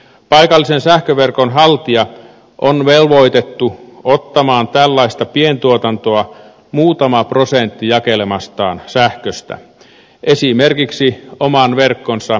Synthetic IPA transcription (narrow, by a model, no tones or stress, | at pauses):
pɑikɑlːisensæhkøʋerkonɦɑlt̪iɑ | ʔonʋelʋo̞it̪et̪ːuot̪ːɑmɑːnt̪ælːɑist̪ɑpient̪uot̪ɑnt̪oɑ | muːt̪ɑmɑprosent̪ːijɑkelemɑst̪ɑ̰ːnsæhkøst̪æ̰ | ʔesimerkiksiomɑnʋerkːonsɑ